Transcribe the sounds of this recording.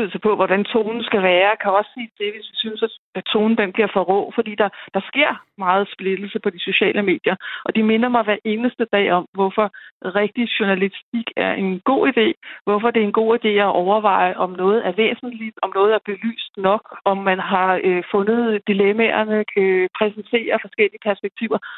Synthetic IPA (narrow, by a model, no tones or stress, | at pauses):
yð̰ˠsəpʰɒ̽ʋɒd̥ænt͡sʰo̝̰ːnn̩sɡ̥æʋæːɐkʰæɒ̽sːe̝̰ːd̥e̝ʋe̝sʋisynsæ̥æt͡sʰo̝ːn̩d̥enb̥liɐ̰fɒ̽ʁɔ̰̽ːfɒd̥ḭːd̥ɑ̈d̥ɑ̈sɡ̥e̝ɐ̰mɑ̈ːð̞̩ˠsb̥le̝d̥l̩səpʰɒ̽d̥iso̝ɕɛ̰ːlʔəme̝̰ːd̥jɐʔɒ̽d̥ime̝nɐmɑ̈ɪʋæɐʔe̝ːnəsd̥əd̥ɛ̰ːɒ̽mʋɒfɒ̽ʁɛɡ̥̚d̥iɕuɐnælisd̥iɡ̥æɐʔe̝nɡ̥o̝̰ːid̥e̝̰ːʋɒfɒ̽d̥e̝æenɡ̥o̝̰ːid̥e̝̰ːæʔɒʊɐʋɑ̈ɪ̰ʔɒ̽mnɔ̽ːð̞̩ˠæɐʋḛːsn̩lid̥ɒ̽mnɔ̽ːð̞̩ˠæɐb̥e̝ly̰ːsd̥nɒ̽ɡ̥ɒ̽mːænɦɑ̈øfɔ̽nð̞̩ˠd̥ilemæɐnəøpʰʁɛsnt͡sʰe̝̰ːɐfɒ̽sɡ̥el̰iəpʰæɐsb̥eɡ̥̚t͡sʰiʊ̰ɐ